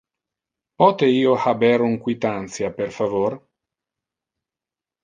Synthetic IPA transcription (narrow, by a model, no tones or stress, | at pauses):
pɔt̪eiːohabɛɾuŋkwit̪ant̪sjaperfavor